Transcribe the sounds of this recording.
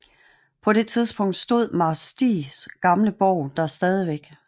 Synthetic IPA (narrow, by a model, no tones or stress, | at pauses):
pʰɒ̽ɾ̥e̝t͡sʰiðˠsb̥ɔ̽ŋ̰d̥sd̥o̝ð̞̰ˠmɑ̈sd̥ḭːsɡ̥ɑ̈mləb̥ɒʊ̰d̥ɑ̈sd̥ɛːð̞ˠiʋeɡ̥